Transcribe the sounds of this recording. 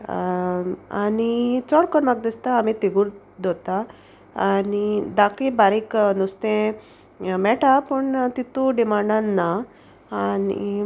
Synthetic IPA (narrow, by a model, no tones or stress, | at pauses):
anit͡sɔɽkɔnmaɡ̚d̪ist̪aːmit̪eɡuɾ | d̪ʱɔt̪aː | nid̪akʰlibaɾiknust̪ẽ | mɛʈapəɳt̪it̪uɖimaɖanːa | aːnḭ